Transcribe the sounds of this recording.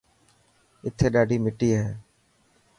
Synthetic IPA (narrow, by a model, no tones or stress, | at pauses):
ɪt̪ʰːeːɗaːɖʱiːmɪʈiːɦɛː